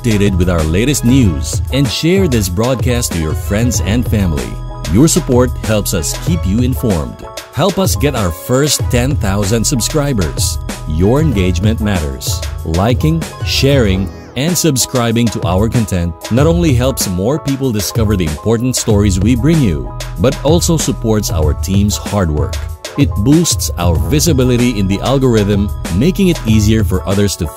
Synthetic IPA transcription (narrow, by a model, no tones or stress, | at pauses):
d̥eɪɾɨd̚wɨðaʊə˞leɪɾɨst̚ⁿnjuzɛ̃ndʃɛɹðɪs̬bɹɔd̚kʰæstʰujɔɹfɹɛ̃ndzɛ̃ndfæ̃mlḭjɔɹsəpɔɹt̚hɛlˠpsʌskʰipjuɪ̃nfɔ̰ɹmd̥ | hɛlˠpʌsɡɛɾaʊə˞fɜ˞stʰɛ̃nθaʊzə̃ndsɨbskɹaɪbə̰˞z̥jɔɹɨ̃nɡeɪd͡ʒmɨ̃nt̚mæɾə̰˞z̥laɪkɪ̃ŋʃɛɹɪ̃ŋ | ɛ̃ndsɨbskɹaɪbɪ̃ŋtʰuʔa̰wəɹkɔ̃ntʰɛ̃nt̚nətõʊ̃nliɦɛlˠpsmɔɹpiːpəl̩ˠdɪskʌvəɹðiɪ̃mpʰɔɹtn̩tstɔɹizwibɹɪ̃ŋjṵbʌtɔlˠsoʊsɨpʰɔɹtsa̰wə̰ɹt̪ʰĩːmshɑɹd̚wɜ̰ɹk | ɪt̚bustsa̰wəɹvɪsɨbɪlɪɾiɪ̃nðiʔælˠɡɔɹɪðə̃mːeɪkɪ̃ŋɪt̪iːziəɹfɔɹʔʌðəɹstu